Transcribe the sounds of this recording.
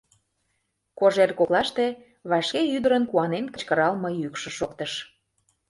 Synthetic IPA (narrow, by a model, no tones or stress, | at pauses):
koʒerkoklɑʃt̪e | βɑʃkeyd̪əɾənkuɑnenkə̥̆t͡ɕkəɾɑlmɤjykʃə̆ʃokt̪əʃ